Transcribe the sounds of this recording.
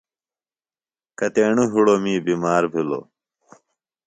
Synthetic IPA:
kɐt̪eːɳuɦuɽomiːbimaːɾbʱilo̰

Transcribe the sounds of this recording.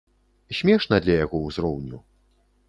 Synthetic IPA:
sʲmʲɛʂnɐd̪lʲɐjaɣɔwzɾɔwnʲu

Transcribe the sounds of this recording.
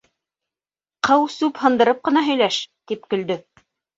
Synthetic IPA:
qɤwsʉphɤ̆nd̪ɤ̆ɾɤp̚qɤ̆nɑɦɵ̆jlæʃt̪ipkɵ̆ld̪ɵ

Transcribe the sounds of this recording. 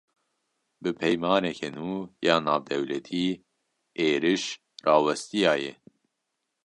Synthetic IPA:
bɨpʰɛjmɑːnɛkʰenuːjɑːnɑːvd̪ɛwlɛt̪ʰiː | eːɾɨʃ | rɑːwɛst̪ijɑːjɛ

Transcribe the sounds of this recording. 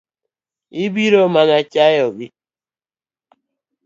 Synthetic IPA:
ibiɾɔmanat͡ʃajɔɡɪ

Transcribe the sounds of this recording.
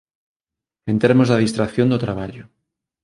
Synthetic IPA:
ent̪eɾmozðeð̞ist̪ɾakθjond̪ot̪ɾaβ̞aʎo

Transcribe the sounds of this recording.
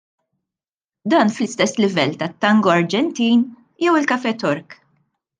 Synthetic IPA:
d̪ɐːnflɪst̪ɛsːlɪvɛlːt̪ɐt̪ːɐŋɡɔɐɾd͡ʒɛnt̪iːn | jɛwɪlkɐfɛt̪ɔɾk

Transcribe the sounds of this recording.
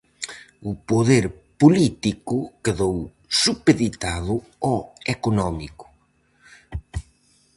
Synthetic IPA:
ʊpoðeɾ | polit̪ikʊkeðow | supeðit̪aðʊɔekonɔmikʊ̥

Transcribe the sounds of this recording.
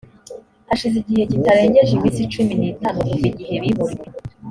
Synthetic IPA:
aʃiziɟihe̞ɟitaɾaeɲeʒimisit͡ʃuminiːtanukubiɟihe̞βiɦoɾje

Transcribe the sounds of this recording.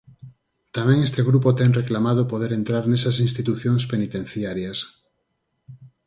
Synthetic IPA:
t̪amɛ̃ŋest̪eɣ̞ɾupot̪ɛŋreklamað̞opoð̞eɾent̪ɾaɾnesasinst̪it̪uθjoŋspenit̪ẽn̟θjaɾjas

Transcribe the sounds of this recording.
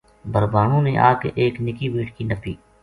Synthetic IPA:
bʱəɾbaːnõːneʔa̰ːkḛʔeːknɪkibiːʈkinɐpiː

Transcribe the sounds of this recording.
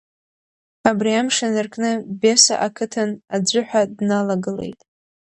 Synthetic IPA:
abriamʂanɨrkʰʼnɨbe̞sa̰ʔakʰɨtʰanad͡ʒʷʊħʷᶣadnalaɡɨle̞̰jtʼ

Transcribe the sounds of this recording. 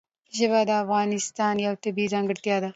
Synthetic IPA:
ʒɐbad̪ɐɐfɣaːnɪst̪aːnjɐwt̪ɐbiːzãːŋɡəɽt̪jaːd̪a

